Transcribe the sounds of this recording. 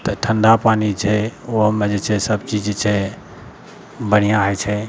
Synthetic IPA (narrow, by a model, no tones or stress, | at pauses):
t̪əʈʰənd̪ʱapaːnit͡ʃʰɛoɦmed͡ʒet͡ʃʰɛsəbt͡ʃid͡ʒt͡ʃʰɛ | bəɽ̤ijãɦɛt͡ʃʰɛ